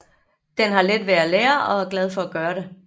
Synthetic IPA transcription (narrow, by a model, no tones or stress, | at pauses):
d̥enɦɑ̈led̥ʋeæleːɐɒ̽æɐɡ̥lɛð̞ˠfɒ̽æɡ̥ɶːɐɾ̥e